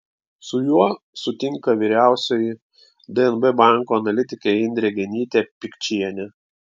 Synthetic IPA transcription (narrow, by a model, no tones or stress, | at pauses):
sʊjuɔ | sʊt̪ʲɪŋkɐʋʲiːɾʲæˑʊsʲojɪ | d̪ɨɛnbɨbɑˑŋkoːɐnɐlʲɪt̪ʲɪkʲeːɪnʲd̪ʲɾʲɛɡʲɛnʲiːt̪ʲeːpʲɪkʲt͡ʃʲiɛnʲɛ